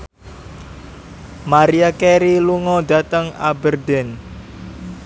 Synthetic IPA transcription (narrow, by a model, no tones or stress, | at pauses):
maɾiakeɾiluŋɔd̪a̤t̪əŋa̰bərd̪ɛn